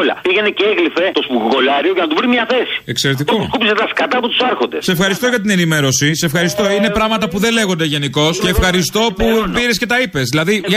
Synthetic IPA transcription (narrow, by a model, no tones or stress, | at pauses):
olɐ̰piʝeneceeɣlife̞t̪o̞spukko̞lɐɾio̞ʝɐnɐt̪uvɾimɲɐθe̞si̥e̞kse̞ɾet̪̬iokupizet̪ɐskɐt̪ɐpot̪u̥sɐɾxo̞nd̪e̞̰sefxɐɾist̪o̞ʝɐt̪ine̞nime̞ɾo̞sisesefxɐɾist̪o̞ine̞pɾɐɣmɐt̪ɐpuðe̞le̞ɣo̞nd̪eʝe̞niko̞sceːfxɐɾist̪o̞pupiɾesce̞t̪ɐipe̞zðilɐði